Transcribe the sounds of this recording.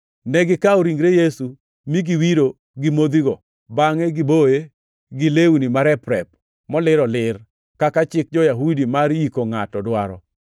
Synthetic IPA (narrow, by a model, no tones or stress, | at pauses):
nɛɡɪkaoɾiŋɡɾejesu | miɡiwiɾo | ɡimod̪iɡɔ | baŋeɡɪboje | ɡɪleunimaɾɛpɾɛp̚ | mɔlɪɾɔlɪr | kakat͡ʃɪk̚d͡ʒɔjaɦudimaɾikoŋatɔdwaɾɔ